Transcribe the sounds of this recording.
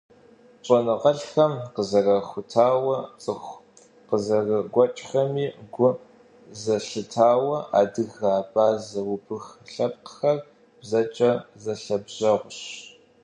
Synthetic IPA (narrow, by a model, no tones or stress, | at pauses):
t͡ʃʼɔnɨʁɐɬxɐmqəzɐɣɐxʷʊtʰaːwɐt͡sʼɨxʷ | qəzɐɣɐɡʷɔt͡ʃʼxɐmiːɡʷʊ | zɐɬɨtʰaːwɐʔaːdɨɣaːpʼaːzɐwʊbɨxɬɐp̚ʼqə̥xɐr | b̥zɐt͡ʃʼɐzɐɬɐbʑɐʁʷʊɕ